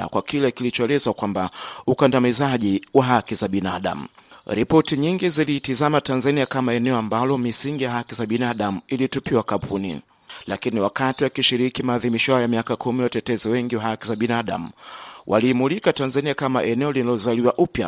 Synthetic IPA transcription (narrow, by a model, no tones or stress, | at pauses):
a̰kwakilɛkilit͡ʃɔɛlɛzakwambaukandamizaʄiwaɦakizaɓinaɗa̰m̩̰ɾipɔtiɲiŋɡizilitizamatanzaniakamaɛnɛɔambalɔmisiŋɡijaɦakizaɓinaɗamuilitupiwakampʰunḭ | lakiniwakatiwakiʃiɾikimaːðimiʃɔaɔjamiakakʰumiwatɛtɛziwɛŋɡiwaɦakizaɓinaɗa̰muwʔa̰liːmulikatanzaniakama̰ʔɛnɛɔlinalɔzaliwaʔupja̰